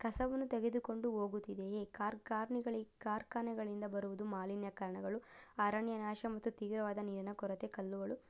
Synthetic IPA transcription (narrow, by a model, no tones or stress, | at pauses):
kɐsɐʋɐnːut̪eɡe̞d̪uko̞ɳɖuo̞ːɡut̪ːid̪eekaːɾkaːɾɳiɡɐɭikaːɾkaːnɐɡɐɭind̪ɐbɐɾuʋud̪umaːlinjɐkaːɾɐɳɐɡɐɭuaːɾaːɳjɐnaːʃɐmɐt̪ːut̪iːʋɾɐʋaːd̪ɐniːɾɐnɐkɔɾɐt̪ekɐlːuʋɐɭu